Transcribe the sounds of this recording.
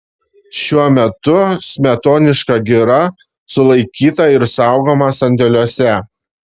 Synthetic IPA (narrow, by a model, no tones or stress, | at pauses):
ʃʲuɔmʲɛt̪ʊsʲmʲɛt̪oːnʲɪʃkɐɡʲɪɾɐ | sʊlˠɐɪkʲiːt̪ɐɪɾsɑˑʊɡoːmɐsɐnʲd̪ʲɛlʲuɔsʲɛ